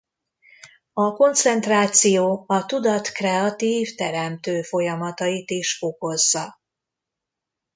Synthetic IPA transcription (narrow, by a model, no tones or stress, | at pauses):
ɒko̞nt̪sɛnt̪raːt̪sijoːɒt̪ud̪ɒt̪krɛɒt̪iːvt̪ɛɾɛmt̪øːfo̞jɒmɒt̪ɒjit̪iʃo̞ko̞zːɒ